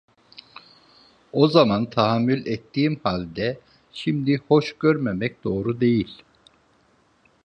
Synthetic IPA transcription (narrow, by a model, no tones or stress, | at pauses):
o̞zamant̪ʰaɦamːylʲɛt̪ʰːiːmhalʲd̪ɛ | ʃimd̪iho̞ʃɟøɾmemɛc̚d̪o̞ːɾud̪e̞jilʲ